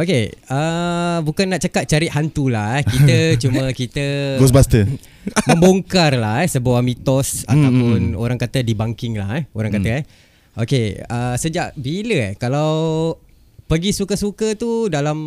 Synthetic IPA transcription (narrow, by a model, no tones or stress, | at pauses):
okeəbukanːaʔt͡ʃəkat̪̚t͡ʃaɾɪʔ̪ɦant̪ulahɛhit̪ət͡ʃumə̃kit̪əɡɔs̬bast̪ə | mə̃mboŋkarlahɛhsəbuamit̪ɔsa̰t̪apʊno̰ɾaŋkat̪ədibaŋkɪŋla̰hɛhoɾaŋkaəɛ | ʔokeəsəd͡ʒaʔbiləɛkalaw | pəɡisukəsukət̪udalam